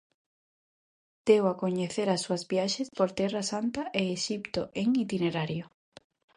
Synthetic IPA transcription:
d̪̥ewakoɲeθeɾasuazβjaʃespoɾt̪ɛrasant̪aʔeːʃipt̪oʔeŋit̪ineɾaɾjo

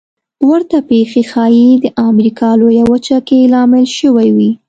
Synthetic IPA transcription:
waɾt̪apexexɑjid̪əʔamɾikʰɑlojawət͡ʃakelɑmɪlʃəwajwi

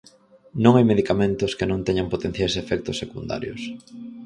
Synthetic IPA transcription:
nõŋajmeðikamẽnt̪ʊskenõnt̪ɛɲaŋpot̪en̟θjajsefɛk̚t̪ʊsːekund̪a̰ɾjʊ̰s

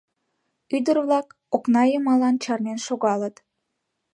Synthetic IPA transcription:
yd̪ərβlɑk | oknɑjəmɑlɑnt͡ɕɑrnenʃoɣɑlət̪

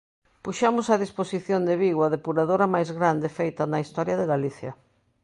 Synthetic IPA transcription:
puʃamʊsɐðisposiθjond̪ɪβiɣwɐðepuɾaðoɾɐmajzɣɾand̪ɪfejt̪ɐnɐist̪ɔɾjɐðɪɣaliθjɐ̰

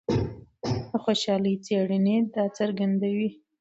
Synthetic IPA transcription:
əxoʃɑləjt͡seɽəned̪ɑt͡saɾɡand̪awi

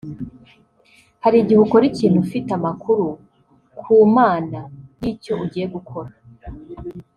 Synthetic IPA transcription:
haɾiɟihukoɾiciːnhufitamakuɾu | kʰuːmaːnajiːco̞ʔuɟiːje̞ɡukʰo̞ɾa

